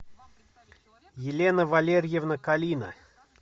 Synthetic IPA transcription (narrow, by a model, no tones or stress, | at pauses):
jɪlʲenəvalʲerʲjevnəkalʲinə̰